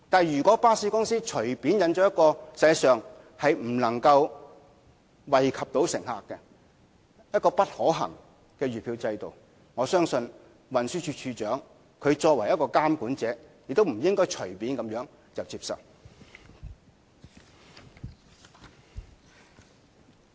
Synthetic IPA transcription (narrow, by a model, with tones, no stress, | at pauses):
t̪aː˨njyː˨˩kʷɔː˨˥paː˥siː˨˥kʊ˥ŋsiː˥t͡ʃʰɵ˨˩ɥpi˨˥njɐ˨˧nt͡ʃɔː˨˥jɐ˥t̚kɔː˧sɐ˧jsœː˨ŋ | hɐ˨jm̩˨˩lɐ˨˩ŋkɐ˧w | wɐ˨jkʰɐ˨p̚t̪o˨˥wsɪ˨˩ŋha̰ː˨kːɛ˧ | jɐ˥t̚kɔː˧pɐ˥t̚hɔː˨˥ɦɐ̰˨˩ŋ | kɛː˧ɥyː˨˩pʰiː˧wt͡sɐ˧jt̪o̰˨˩w | ŋɔː˨˧˥sœː˥ŋsɵ˧n | wɐ˨nsyː˥t͡ʃʰyː˧t͡ʃʰyː˧t͡ʃœː˨˥ŋ | kʰɵ˨˧ɥt͡ʃɔː˧k̚wɐ˨˩jɐ˥tkɔː˧kaː˥mkuː˨˥nt͡sɛː˨˥jɪ˨k̚t̪o˥wm̩˨˩jɪ˥ŋkɔː˥jt͡ʃʰɵ˨˩ɥpiː˨˥nkɐ˨˥mjœː˨˥ŋ | t͡sɐ˨wt͡siː˧p̚sɐ̰˨w